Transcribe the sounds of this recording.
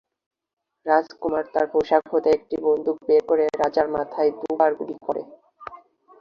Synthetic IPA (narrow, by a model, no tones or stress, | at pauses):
ɾad͡ʑkumaɾt̪aɾpoʃakɦot̪eek̚ʈibond̪ʱuk̚bekoɾeɾad͡ʑaɾmat̪ʰaed̪ubaɾɡulikoɾḛ